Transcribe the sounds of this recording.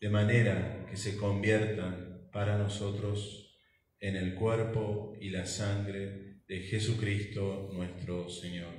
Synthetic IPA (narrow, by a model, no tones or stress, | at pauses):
d̪̥e̞mane̞ɾakese̞ko̞mbjeɾt̪anpaɾano̞so̞t̪ɾo̞s | ene̞lkweɾpoilasaŋɡɾeðexesukɾist̪o̞nwe̞st̪ɾo̞seɲo̞ɾ